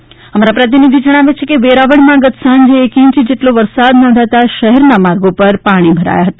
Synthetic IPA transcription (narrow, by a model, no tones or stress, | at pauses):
əmaɾapɾət̪inid̪ʱid͡ʒəɽ̃aʋet͡ʃʰekeʋeɾaʋəɽmãɡət̪sãnd͡ʒeːkĩɲt͡ʃd͡ʒeʈloʋəɾsad̪nɔ̃nd̪ʱat̪aʃəɦɛɾnamaɾɡopəɾpaɽ̃ibʱəɾa̰jaɦət̪ḁ